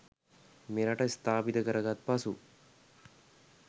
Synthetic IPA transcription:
meɾaʈəst̪aːpid̪əkəɾəɡat̪̚pasu

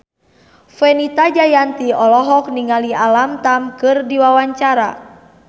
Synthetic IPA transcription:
fɛnit̪ad͡ʒajant̪iɔlɔɦɔk̚niŋalialamt̪amkɨrdiwawaɲt͡ʃaɾa̰

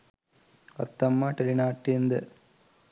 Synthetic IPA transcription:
ʋɐ̰ɾt̪ːɐmːaːʈɐlinaːʈːind̪ɐ̰

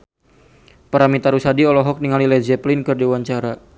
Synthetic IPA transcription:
paɾamit̪aɾusadiɔlɔɦɔk̚niŋalilɛd͡ʒɛplɪnkɨrdiwaɲt͡ʃaɾa

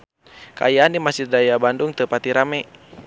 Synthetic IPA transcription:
kaajaːndimasidajabanduŋt̪əpat̪iɾamɛ

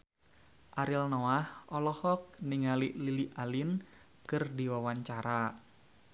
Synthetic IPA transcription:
ʔaɾilnoahʔɔlɔhɔk̚niŋaliʔliliʔalin | kɨrdiwawaɲt͡ʃaɾa

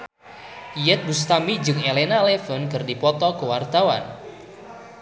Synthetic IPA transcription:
ijɛt̪̚bust̪amid͡ʒɨŋelenalɛfənkɨrdipɔt̪ɔkəwart̪awa̰n

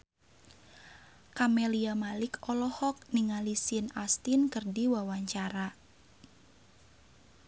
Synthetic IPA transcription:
kameliamalɪkɔlɔhɔk̚niŋalisɪnast̪inkərdiwawaɲt͡ʃaɾa

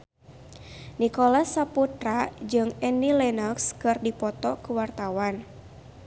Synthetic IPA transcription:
nikɔlasːaput̪ɾad͡ʒɨŋɛnilɛnɔkskɨrdipɔt̪ɔkuwart̪awan

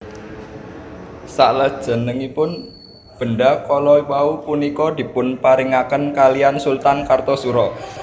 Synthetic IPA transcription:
sa̰ʔləd̥ʒ̥ə̤nəŋipʊn | b̥ə̤nɖakɔlɔwaupunikɔd̪̥i̤pʊnpaɾiŋakənkalijansult̪ankart̪ɔsuɾɔ

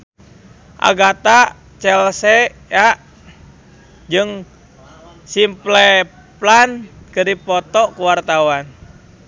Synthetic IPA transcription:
ʔa̰ɡat̪a | t͡ʃɛlsɛjaʔ | d͡ʒɨŋ | simplɛ | plankɨɾipɔt̪ɔkuwart̪awan

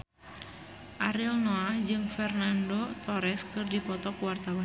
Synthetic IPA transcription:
ʔaɾilnoad͡ʒɨŋfɛrnandot̪ɔɾɛskɨrdipɔt̪ɔkuwart̪awa

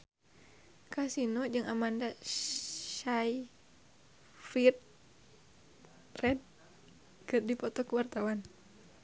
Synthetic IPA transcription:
kasinɔd͡ʒɨŋamanda | ʃaj | fit̪̚ | rɛd̚ | kɨrdipɔt̪ɔkəwart̪awan

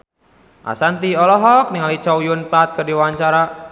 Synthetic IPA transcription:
ʔa̰sant̪iɔlɔɦɔk̚niŋalit͡ʃɔwjunpat̪̚kɨrdiwaɲt͡ʃaɾa

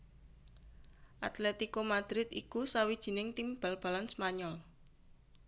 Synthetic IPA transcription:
ʔat̪lɛt̪ikomad̪̥ɾɪt̪ḭkusawid̥ʒ̥i̤nɪŋt̪imb̥alb̥a̤lansmaɲɔl

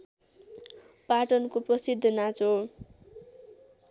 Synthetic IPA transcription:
paʈʌnkoprʌsid̪ʱːʌnat͡so

